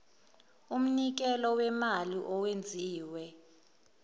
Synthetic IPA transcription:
um̩nik̬ɛlɔwɛmaliʔɔwend͡zʱiːwɛ

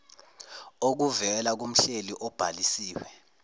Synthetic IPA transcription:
ok̬uvɛlak̬um̩ɬeliʔɔb̥ʱalisiːwɛ

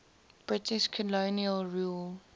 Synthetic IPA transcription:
b̥ɹɪtɪʃkʰɔloniəlɹuːl

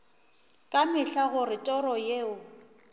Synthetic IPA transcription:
kʼamɪɬaɣʊrɪtʼɔɾɔjeːʊ

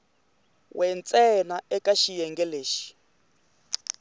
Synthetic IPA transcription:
wʔɛnt͡sʼɛnaɛkaʃijɛŋɡɛleːʃi̥

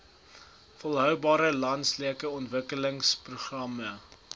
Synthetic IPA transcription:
fɔlˠɦœwbɑːɾəlɐntsliəkəɔntvəkələŋspruχrɐmə

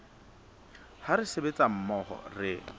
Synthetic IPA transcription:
haɾɪsebet͡sʼam̩mɔχɔ̰rɪ

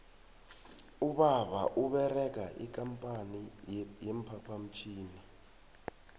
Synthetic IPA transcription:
uɓaɓa̰ʔuɓɛrɛk̬aʔḭk̬ʼampʼanijempʰapʰam̩t͡ʃʰiːni

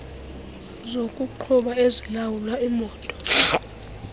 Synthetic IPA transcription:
zokʼuǃʰuɓaezilawulwaimɔːtʼɔ̥

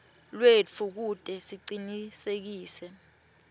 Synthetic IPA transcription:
lwet͡fʰuk̬udʼɛsiǀinisek̬iːsɛ

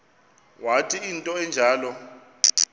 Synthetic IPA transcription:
watʰiintʼɔɛnd͡ʒʱaːlɔ

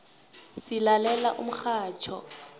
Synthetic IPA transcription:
silalɛla̰ʔʊmʊk͡xaːt͡ʃʰɔ̰

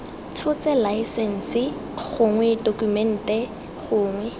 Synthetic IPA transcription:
t͡sʰʊt͡sɛlaisɛn̩sɪɣʊŋwɛdokumɛn̩tɛ | χʊːŋwɛ

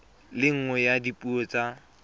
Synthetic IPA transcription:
lɪŋ̩ŋɛjadipʼuot͡sʼa

